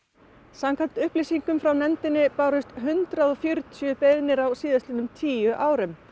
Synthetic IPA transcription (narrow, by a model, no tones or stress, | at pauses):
samkʰan̥t̪ʏhplisiŋkʏmfɾawnɛnt̪ɪnːɪpaːɾʏst̪ɦʏnt̪ɾaðɔfjœɾt̪sʏpeðnɪɾawsiːðast̪ɪnʏmt̪ʰiːjʏʔaːwɾʏm